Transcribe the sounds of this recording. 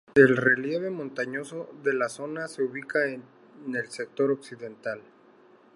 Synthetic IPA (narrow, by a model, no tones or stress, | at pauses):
e̞lre̞lje̞βe̞mõnt̪aɲo̞so̞ðe̞laso̞nase̞uβikae | ne̞lsek̚t̪o̞ɾo̞ksiðe̞nt̪al